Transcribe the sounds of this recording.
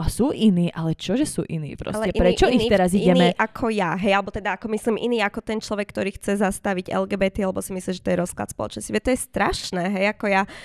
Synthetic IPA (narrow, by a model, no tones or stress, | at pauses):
asuːʔiniːʔalɛt͡ʃɔʒɛsṵːʔinḭːpɾɔ̰sɛɛpɾɛt͡ʃɔʔixiɛɾaziɟɛmɛʔakʰɔjaɦɛjalɛbɔt̪ɛd̪aakɔmisliːmʔḭniːakɔt̪ɛnt͡ʃlɔʋɛkːt̪ɔɾiːxt͡sɛzast̪aʋiɟɛ̰lɡɛːbɛt̪ialɛbɔsimisliːʒɛ̥t̪ɔjɛɾɔskla̰t̪spɔlɔ̰t͡ʃnɔsciʋɛt̪ɔjɛst̪ɾaʃnɛːɦɛjakɔja